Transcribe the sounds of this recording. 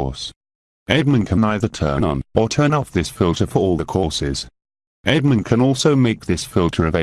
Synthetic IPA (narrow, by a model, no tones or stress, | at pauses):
s | ʔɛd̚mə̃nkʰə̃naɪðə˞tʰɜ̰̃˞nə̰̃nə˞tʰɜ̃˞nɔfðɪsfɪlˠtəfə˞ɔlˠðəkʰɔɹsɪz̥ | ʔɛd̚mə̃nkʰɨ̃nɔˑlˠsoʊmeɪk̚ðɪsfɪlˠtʰə˞ʌve